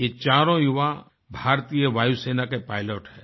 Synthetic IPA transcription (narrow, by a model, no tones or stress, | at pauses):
jet͡ʃaːɾõjʊʋa | bʱaːɾt̪ijəʋaːjuseːnakepaːɪloːʈhɛː